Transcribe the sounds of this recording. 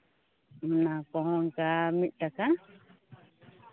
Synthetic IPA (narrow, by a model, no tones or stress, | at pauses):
nãkõõŋkamĩʔt̪akã